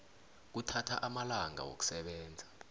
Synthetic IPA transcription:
k̬utʰatʰa̰ʔamalaŋa̰wo̰k̬u̥sɛɓɛːnd͡zʱḁ

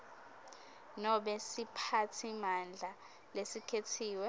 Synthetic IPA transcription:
nɔɓɛsipʰatʰimand͡ɮʱa | lesikʰetʰiːwɛ

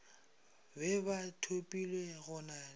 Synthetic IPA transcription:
bɛbatʰopʼileɣʊna

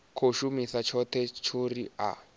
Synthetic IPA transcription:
kʰoʃumisat͡ʃʰɔtʰɛt͡ʃʰoria̰

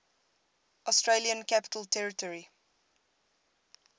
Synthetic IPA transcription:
ʔɔstɹeliə̃nkæpɪ̥tʰəltʰɛɹɪtɔɹi

